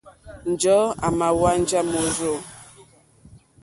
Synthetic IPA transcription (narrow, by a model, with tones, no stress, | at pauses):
n̩˨d͡ʒɔ˦a˨ma˨wa˦n˦d͡ʒa˦mo˨zo˦˨